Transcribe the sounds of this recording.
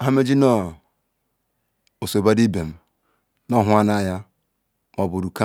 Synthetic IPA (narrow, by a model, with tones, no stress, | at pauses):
a˨˦ɦa˦me˦d͡ʒi˦nɔ˦ | o˨so˨ba˦di˦be˨m̩˨ | nɔ˦˨ɦʊ˦a˦na˦˨ja˦ | mɔ˨bo˨ɾu˨ka˦